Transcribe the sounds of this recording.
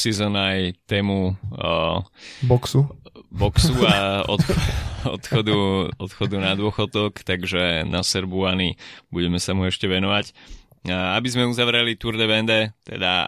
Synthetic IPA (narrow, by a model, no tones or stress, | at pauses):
sizɔnajt̪ɛːmu | bɔksubɔksuaɔ̰t̪ɔ̰t̪xɔd̪uɔt̪xɔd̪unad̪ʊɔxɔd̪ɔkt̪aɡʒɛnasɛɾbuanibuɟɛmɛsamuɛʃcɛʋɛnɔʋac | abizmɛuzaʋɾɛlit̪uɾd̪ɛʋɛnd̪ɛt̪ɛ̰d̪a̰